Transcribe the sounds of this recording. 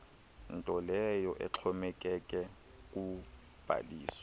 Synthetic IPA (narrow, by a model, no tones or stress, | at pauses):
n̩tʼɔlɛjɔʔɛ̰ǁʰɔmɛkʼɛkʼɛ | kʼu | b̥ʱa̰diːsɔ̥